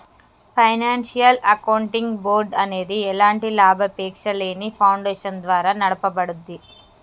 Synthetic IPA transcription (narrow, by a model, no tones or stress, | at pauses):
pʰɐjnaːnʂijɐlɐkɐwɳʈiŋɡboːɾɖɐne̞ːd̪iɛlaːɳʈilaːbʱɐpɛːkʂɐle̞ːnipʰɐwɳɖeːʂɐnd̪ʋaːɾaːnɐɽɐpɐbɐɽud̪ːi